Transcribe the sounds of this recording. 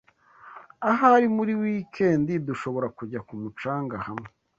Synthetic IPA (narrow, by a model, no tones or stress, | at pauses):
aɦaɾimuɾiwiːkʰe̞ːndiduʃo̞βo̞ɾakuɟakumut͡ʃaːŋɡahamŋe